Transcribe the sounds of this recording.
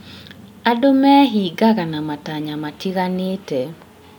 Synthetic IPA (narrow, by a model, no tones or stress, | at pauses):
adomɛɦiɡaɡanamataɲamatiɣanɪtɛ